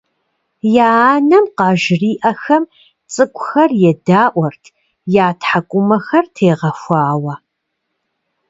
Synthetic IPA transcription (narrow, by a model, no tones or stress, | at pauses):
jaːaːnɐmqɑːʒriːʔɐxɐm | t͡sʼɨkʷʼʊxɐrjɛdaːʔʷɔrtʰ | jaːtʰħakʷʼʊmɐxɐrtʰeːʁɐxʷɑːwɐ